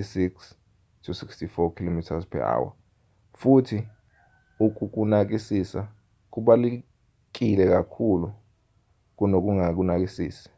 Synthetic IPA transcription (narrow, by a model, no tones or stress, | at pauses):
isiks | tʰusikstifɔkʰilomitʰazpʰɛ̰a̰wa̰ | futʰi | uk̬ʼuk̬unak̬isisa | k̬uɓali | k̬ilɛk̬akʰulu | k̬unok̬uŋak̬unak̬isiːsi̥